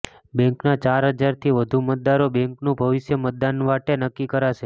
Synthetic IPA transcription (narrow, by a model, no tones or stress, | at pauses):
bɛ̃ŋknat͡ʃaɾɦəd͡ʒaɾt̪ʰiʋəd̪ʱumət̪̚d̪aɾobɛ̃ŋknũbʱəʋɪʃjəmət̪̚d̪anʋaʈenəkːikəɾaʃe